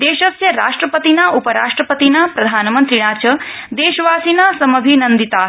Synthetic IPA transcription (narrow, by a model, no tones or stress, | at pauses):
d̪eːʃɐsjɐɾa̰ːʂʈɾəpət̪inaʔupəɾa̰ːʂʈɾəpət̪inapɾɐd̪ʱaːnmənt̪ɾiɽ̃aːt͡ʃɐd̪eːʃʋaːsinasɐmɐbʱinənd̪it̪aː